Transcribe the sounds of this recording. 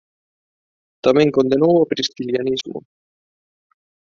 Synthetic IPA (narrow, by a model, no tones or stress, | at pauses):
t̪amẽŋkond̪enowapɾist̪iljanizmʊ̰